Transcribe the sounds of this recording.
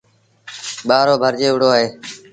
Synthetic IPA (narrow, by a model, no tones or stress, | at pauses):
ɓaːɾoːbʱəɾd͡ʒeːʋʊɽ̤oːaːɦeː